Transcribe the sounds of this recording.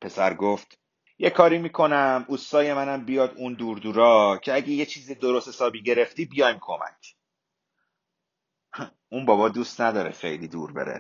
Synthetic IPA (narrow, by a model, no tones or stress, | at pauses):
pʰe̞sæɾɡoft̪ | jekʰɒːɾiːmiːkʰo̞næmust̪ɒːje̞mænæmbijɒːd̪uːnd̪uːɾd̪uːɾɒːcʰe̞æɟeje̞t͡ʃʰiːzed̪o̞ɾost̪hesɒːbiːɟe̞ɾe̞ft̪iːbijɒjmkʰo̞mæ̰cʰ | unbɒːbɒːd̪uːst̪næd̪ɒːɾḛxe̞̰jliːd̪uːɾbḛɾḛ